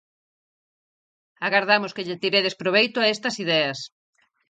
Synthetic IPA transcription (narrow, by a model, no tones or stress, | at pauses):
aɣaɾðamʊskeʎet̪iɾeðespɾoβ̞ejt̪ʊaest̪ɐsiðɛɐs